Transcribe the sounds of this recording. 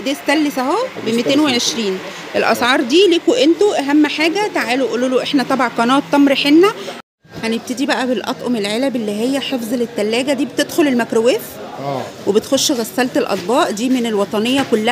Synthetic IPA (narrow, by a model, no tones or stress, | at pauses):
d̪eːst̪ælːesæɦobemit̪eːnweʕeʃɾiːn | ʔelʔɑsʕɑːɾˤd̪iːliːkoʔent̪oʔæɦæmːħaːɡæt̪aʕaːluʔuluːloʔeħnæt̪ˤɑbɑʕqɑnɑːt̪ˤːɑmɾeħenːæ | hæneb̚t̪ed̪ibæʔæbelʔɑ̰t̪ˤʔomelʕelæbelːiɦejːæħefzˤelet̪ːælːæːɡæd̪iːbet̪ed̪xolelmækɾoweːf | webet̪xoʃːɣæsːælt̪elʔɑ̰d̪ˤbɑːʔd̪iːmenelwɑt̪ˤɑnejːɑkolːæ